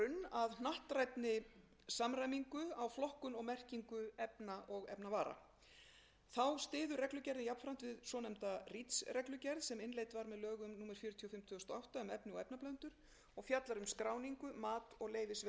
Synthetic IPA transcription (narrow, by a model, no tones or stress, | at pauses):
ʏnːaðnaht̪rajt̪nɪ | samɾajmiŋkʏawflɔhkʏnɔɣmɛr̥ciŋkʏɛpnaʔɔɣɛ̰pnavaːɾa̰ | θawst̪ɪːðʏrɛklʏcɛɾðɪnjapn̥fɾawn̥t̪vɪðsɔːnɛmt̪arit̪srɛklʏcɛɾðsɛmɪnlejt̪vaɾmɛðlœːɣʏmnuːmɛɾ̥fjiːɾʏt̪ʰiɔfɪm̥t̪ʰːst̪ɔawht̪aʏmɛpnɪɔɣɛpnaplœnt̪ʏɾ̥ | ɔɣfjat̪laɾʏmskɾaːwniŋkʏmaːt̪ɔɣleːjvɪs